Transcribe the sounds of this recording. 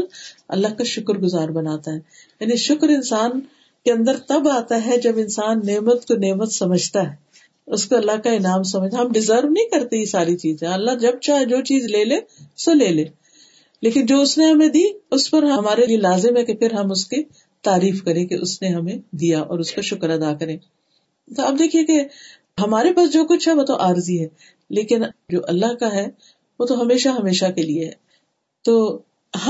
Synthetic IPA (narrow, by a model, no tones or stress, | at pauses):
lɐ̰lːaɦkaʃʊkɾɡʊzaːɾbɐnaːt̪aɦɛː | jaːniʃʊkɾɪ̃nsaːn | keɐ̃nd̪əɾt̪ɐbaːt̪aɦɛd͡ʒɐbɪnsaːnːeːmət̪koneːmət̪sɐməd͡ʒʱt̪aɦɛ | ʊskoɐlːaɦkaɪnaːms̬ɐməd͡ʒ̪aɦɐmɖɪzəɾʋnɐĩkɐɾt̪eisaːɾit͡ʃiːzẽɐlːad͡ʒɐb̚t͡ʃaːɦed͡ʒoːt͡ʃiːzleːleːʊsoleːleː | leːkɪnd͡ʒoːʊsneɦɐmẽd̪iːʊspɐɾɦɐmaːɾelielaːzɪmɦɛkepʰɪɾɦɐmʊske | t̪aːɾiːfkɐɾẽkeʔʊsneɦɐmẽd̪ijaʔɔ̰ːɾʊskaʃʊkəɾɐd̪aːkɐɾẽː | t̪oɐb̚d̪eːkʰieke | ɦɐmaːɾepaːsd͡ʒoːkʊt͡ʃʰɦɛʋoːt̪oʔaːɾziɦɛː | leːkɪnd͡ʒoːʔɐlːaɦkaɦɛ | ʋoːt̪oɦɐmeːʃaɦɐmeːʃakelieɦɛː | t̪oː | ɦ